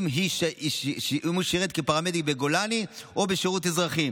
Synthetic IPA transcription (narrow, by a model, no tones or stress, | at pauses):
mɦiʃ | muʃeʁet̪̚kepaʁamedibeɡo̞laniʔo̞beʃeʁuthezʁaχim